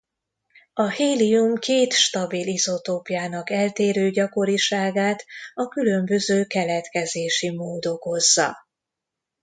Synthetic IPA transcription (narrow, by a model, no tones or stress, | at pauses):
ɒheːliumkeːt̪ʃt̪ɒbilizo̞t̪oːpijaːnɒkɛlt̪eːɾøːɟɒko̞ɾiʃaːɡaːt̪ɒkylø̞mbø̞zøːkɛlɛt̪kɛzeːʃimoːd̪o̞ko̞zːɒ̰